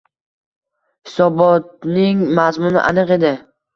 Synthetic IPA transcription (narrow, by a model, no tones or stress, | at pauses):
hɪ̥sɒbɒt̪̚nɪŋmazmʊnɪ̰ʔanɨqe̞d̪ɪ